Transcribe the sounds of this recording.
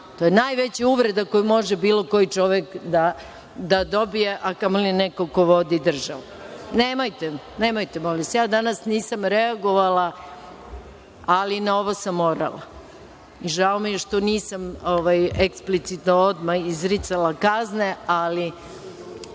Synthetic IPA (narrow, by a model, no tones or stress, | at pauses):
t̪ojenaːjʋet͡ɕeuʋɾe̞d̪ako̞jmo̞ʒebiːlˠo̞ko̞jit͡ʃo̞ʋekd̪a | d̪ad̪o̞bijeʔakamolineko̞ko̞ʋod̪id̪r̩ʒaʋuneːmajt̪e | neːmajt̪emolisjaːd̪anasniːsamɾeaɡo̞ʋala | alinao̞ʋosamːo̞ːɾa̰la̰ | iʒaomijeʃt̪oniːsamoʋajeksplit̪sit̪nood̪maizɾit̪salakazneali